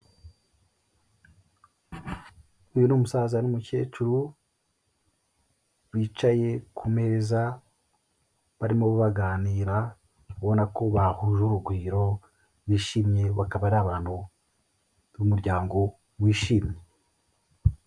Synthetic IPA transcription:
ujunuːmusaːzanumuce̞ːt͡ʃuɾu | wiːt͡ʃaje̞kʰume̞ɾeza | βaɾimo̞βuβaɡaːniːɾa | uβo̞nako̞βahuːʒuɾuɡwiːɾo̞ | wiːʃiːmɲe̞βakaβaɾiaβaːn̥hu | umuɾɟaːŋɡo̞ | βwiːʃiːmɲe

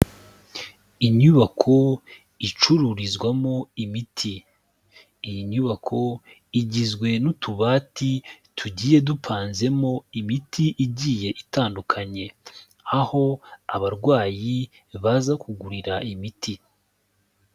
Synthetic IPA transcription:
iɲuβakʰo̞ | it͡ʃuɾuɾizɡwamo̞imitʰiː | jiɲuβakʰo̞ | iɟizɡwe̞nutʰuβaːti | tʰuɟiːje̞dupʰaːnze̞mo̞imitʰiʔiɟiːje̞ʔitaːndukʰaɲe̞ | aho̞aβaɾɡwaːji | βazakuɡuɾiɾaʔimiti

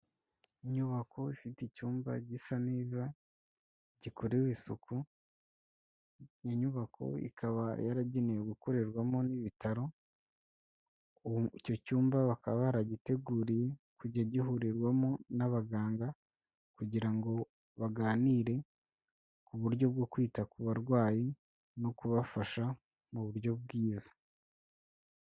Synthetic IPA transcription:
iɲuβakʰo̞ifitecuːmba̰ɟisaneːza | ɟikʰoɾeβisukʰu | jiɲuβakʰo̞̰ḭkʰaβa̰ja̰ɾaɟenejoɡukoɾeɾwamo̞niβitaɾo̞ | ico̞cuːmbaβakaβaɾaɟite̞ɡuːɾije̞kuɟaɟihuɾiɾɡwamo̞naβaɡaːŋɡa | kuɟiɾaŋɡo̞ | βaɡaːniɾe̞ | kuβuɾɟjo̞b̚ɡo̞kwiːtakuβaɾɡwaːji | no̞kuβafaʃa | muβuɾjo̞b̚ɡiːzḁ

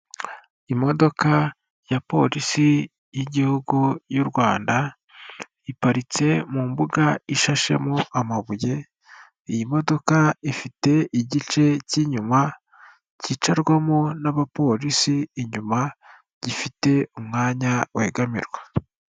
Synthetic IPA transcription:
imo̞do̞ka | japo̞̰ɾisi | jiɟihuɡujuɾwaːnda | ipaɾit͡se̞mumbuɡaiʃaʃe̞̰moʔamaβuje̞ | ijimo̞do̞kaifite̞iɟit͡ʃe̞ciɲuma | cit͡ʃaɾɡwamonaβapo̞ɾisiːɲuma | ɟ̥ifite̞umŋaːɲaweɡamḭɾɡwa

